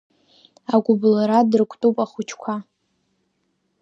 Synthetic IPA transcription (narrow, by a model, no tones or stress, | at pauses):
aɡʷʊblaɾadɨrkʷʼtʼupʼaχʊt͡ʃʰkʷʰa